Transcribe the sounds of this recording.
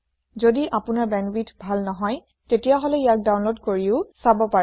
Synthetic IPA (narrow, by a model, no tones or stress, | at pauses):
zodiʔapʊnaɹbɛnwitʰbʱalnɔɦɔj | tetijaɦɔlɛijak̚dawnlodkoɹiʊsabɔpa